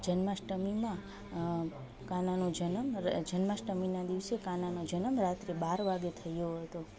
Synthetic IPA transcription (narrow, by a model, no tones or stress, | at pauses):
d͡ʒənməʃʈəmimã | kananod͡ʒənəmd͡ʒənmaʃʈəminad̪iʋsekananod͡ʒənəmɾat̪ɾebaɾʋaɡet̪ʰəjoɦət̪o